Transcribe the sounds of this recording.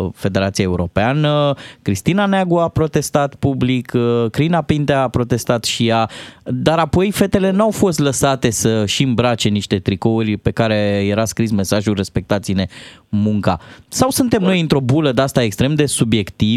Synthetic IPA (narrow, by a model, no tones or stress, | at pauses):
fe̞d̪e̞ɾat̪siaeuɾo̞peanəkɾist̪inaneaɡuapɾo̞t̪e̞st̪at̪publikʰkɾinapint̪eapɾo̞t̪e̞st̪at̪ʃijad̪aɾapo̞jfe̞t̪e̞le̞nuawfo̞st̪ləsat̪e̞səʃiɨmbɾat͡ʃe̞niʃt̪e̞t̪ɾiko̞urʲpe̞kaɾe̞je̞ɾaskɾisme̞saʒulre̞spe̞k̚t̪at̪sine̞muŋka̰sawsɨnt̪e̞mno̞jɨnt̪ɾo̞buləd̪east̪aekst̪ɾe̞md̪e̞subje̞kt̪i